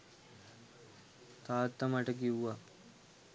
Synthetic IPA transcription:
t̪aːt̪ːɐmɐʈɐkiwːɐ

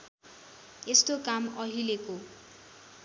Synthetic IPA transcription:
est̪okamʌɦileko

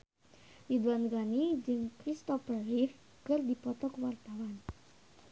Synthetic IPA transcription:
lid̪wanɡanid͡ʒɨŋkɾist̪ɔfərrif | kərd̪ipɔt̪ɔkwart̪awan

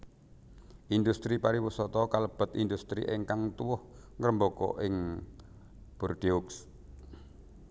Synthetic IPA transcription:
ʔind̪ust̪ɾipaɾiwusɔt̪ɔkaləb̥ə̤t̪ind̪ust̪ɾḭʔeŋkaŋt̪uwʊhŋəɾəmbokɔ̰ʔɪŋ | b̥urd̪̥iuks

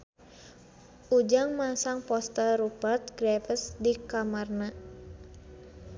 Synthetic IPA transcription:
ʔud͡ʒaŋmasaŋpɔst̪əɾupərt̪̚ɡɾɛfəsdikamarna

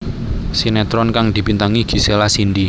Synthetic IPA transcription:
sinɛt̪ɾɔnkaŋd̪̥i̤pint̪aŋiɡ̥i̤selasind̪i

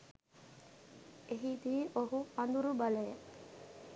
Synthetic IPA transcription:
eɦid̪iːʔoɦupand̪uɾubalejə

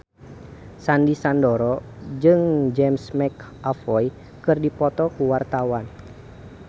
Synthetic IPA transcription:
sandisandɔɾɔd͡ʒɨŋd͡ʒɛmsmɛk | ʔafɔj | kɨrdipɔt̪ɔkuwart̪awan

